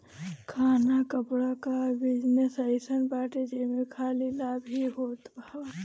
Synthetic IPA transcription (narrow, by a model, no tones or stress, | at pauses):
kʰaːnakəpɽakabɪd͡ʒnesəɪsənpaːʈed͡ʒemekʰalilabʱiɦoːt̪ba